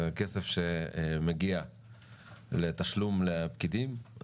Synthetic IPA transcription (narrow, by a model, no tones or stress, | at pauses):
kesefʃemeɡia | let̪aʃlumlepkid̪im